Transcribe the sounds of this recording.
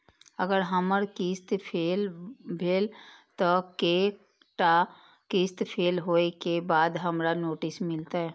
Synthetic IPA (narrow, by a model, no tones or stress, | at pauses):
əɡəɾɦəməɾkist̪pʰeːlbʱeːlt̪ɔke | ʈa | kist̪pʰeːlɦoːekebaːd̪ɦəmɾanoːʈɪsmɪlt̪aɦɛː